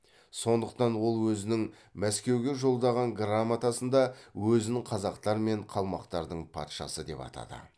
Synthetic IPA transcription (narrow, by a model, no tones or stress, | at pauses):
so̞nd̪əq̚t̪ɑnwo̞lˠwɵzɪnɪŋ | mæskʲe̞wɡʲe̞ʒo̞lˠd̪ɑʁɑŋɡramat̪asənd̪ɑwɵzɪnɪŋqʰɑzɑqt̪ɑɾme̞ɴqʰɑlˠmɑqt̪ɑɾd̪əɴpʰɑ̰t̪ʃɑ̰səd̪e̞pɑ̰t̪ʰɑ̰d̪ə̰